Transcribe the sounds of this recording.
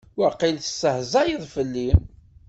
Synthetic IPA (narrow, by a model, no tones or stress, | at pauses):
wəqːilθə̥sːəhzɑjiðˤfəlːim